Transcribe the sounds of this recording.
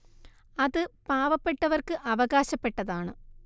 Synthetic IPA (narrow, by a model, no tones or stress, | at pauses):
ɐðɨpaːʋɐpːe̞ʈːɐʋɐrkɨʔɐʋɐɣaːɕɐpːe̞ʈːɐðaːɳɨ